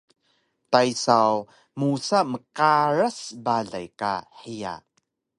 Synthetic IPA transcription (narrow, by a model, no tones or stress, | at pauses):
tajsaw | musaməqaɾasbaɮa̰jka̰ħija̰